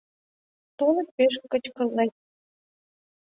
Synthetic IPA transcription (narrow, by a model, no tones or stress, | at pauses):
t̪unə̆peʃkə̆t͡ɕkə̆lnej